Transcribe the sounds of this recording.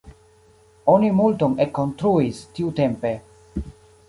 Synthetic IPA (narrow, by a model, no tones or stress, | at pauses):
onimultoŋekːo̞nst̪ɾuistiutempe̞